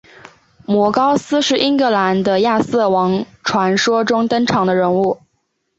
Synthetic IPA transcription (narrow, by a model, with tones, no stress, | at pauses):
mwɔ˧˥kɑ˥ʊsɹ̩˥ʂɻ̩˥˩ʔi˥ŋkɤ˧˥la˧˥nd̪ə˧ja˥˧s̩˥˩wɑ˧˥ŋ | ʈ͡ʂʰwa˧˥nʂwɔ˥ʈ͡ʂʊ˥ŋt̪ə˥nʈ͡ʂʰɑ˧˥ŋd̪ə˧ɻə˧˥nu˥˩